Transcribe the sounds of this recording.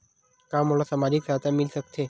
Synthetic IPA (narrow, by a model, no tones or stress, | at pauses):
kaːmɦoːlosəmaːɾiːksaːt̪ʰamɪlsək̚tʰeː